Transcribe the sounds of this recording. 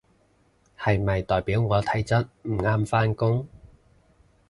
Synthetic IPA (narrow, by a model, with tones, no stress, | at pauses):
hɐ˨jmɐ˨jt̪ɔː˨˩jpiː˨˥wŋɔː˨˧t̪ʰɐ˨˥jt͡sɐ˥t̚m̩˨˩ŋaː˥mfaː˥nkʊ˥ŋ